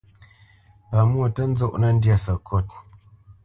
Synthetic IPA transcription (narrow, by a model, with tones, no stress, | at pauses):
pa˨mwo˦˨tə˦n̩˦zo˦ʔnə˦n̩˦dja˦˨sə˨kʰɔ˦˨t̚